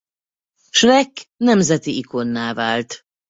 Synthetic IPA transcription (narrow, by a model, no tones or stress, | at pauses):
ʃvɛkːnɛmzɛt̪iiko̞nːaːvaːlt̪